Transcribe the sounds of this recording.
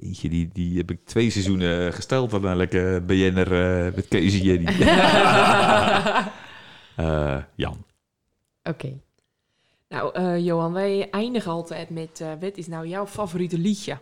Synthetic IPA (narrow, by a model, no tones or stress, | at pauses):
ḭːnjədidihɛpɪk̚tʰʋeːsɛzunəχəstɛlˠtʋɔtɛjnləkəbəjɪnərʋɛtkeːzəjədi | əjɑ̰n | ʔokʰeː | na̰wəjoːanʋɛjɛjndəɣɔlˠtʰɛjtmɛtʋɪtɪsnawjawfavoritəliçjə